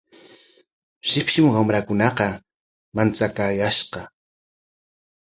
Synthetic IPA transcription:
ʃɪpʃɪmwamɾakʊnɑqɑ | mant͡sakaːjaʃqɑ

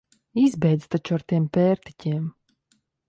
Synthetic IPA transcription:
izbɛjd̪zt̪at͡ʃuaɾt̪iɛmpʲɛːɾt̪i̥cʲiɛm

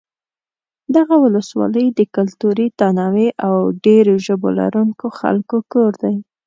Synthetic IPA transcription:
d̪aɣawʊləswɑ̰ləjd̪əkʊlt̪uɾit̪anɑweʔawɖeɾoʒəbo̰la̰ɾuŋkoxa̰lkokoɾd̪aj

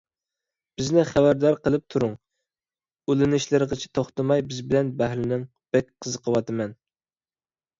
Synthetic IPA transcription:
b̥ɪznɪχæbæɾd̪ɑɾqəlˠɨp̚t̪ʰuɾuŋ | ylɪnɪʃlɪɾʁət͡ʃʰɪ̥t̪ʰoχt̪ɨmɑjbɪzbɪlɛnbɛɦlɪnɪŋ | b̥ɛkʲqʰəzəqʰəwɑt̪ɨmɛn

